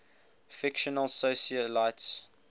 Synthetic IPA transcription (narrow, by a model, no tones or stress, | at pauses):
fɪkʃənəlsosiəlaɪts